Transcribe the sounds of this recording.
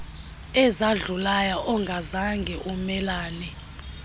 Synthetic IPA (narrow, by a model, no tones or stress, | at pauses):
ɛzaɮulajaʔɔŋɡʱazaŋɡʱɛʔumɛlaːnɛ